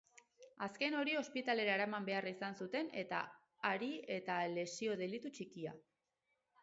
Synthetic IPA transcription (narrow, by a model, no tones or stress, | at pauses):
aske̞no̞ɾio̞spit̪ale̞ɾaːɾamambe̞arisansut̪e̞ne̞t̪a̰ː | ɾie̞t̪ale̞sio̞ð̞e̞lit̪ut͡ʃikia̰